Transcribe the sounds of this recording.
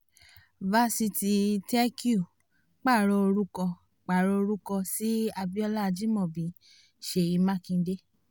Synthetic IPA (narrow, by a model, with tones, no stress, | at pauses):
va˧˦si˧ti˧tɛ˦ki˦u˦˨ | k͡pa˦˨ɾɔ˧o˧ɾu˦kɔ˧ | k͡pa˨ɾɔ˧o˧ɾu˦kɔ˧si˦a˧bi˦ɔ˧la˦˧d͡ʒi˦mɔ̃˦˨bĩ˨ | ʃe˧˨ji˧˦mã˦˨kĩ˧˦de˦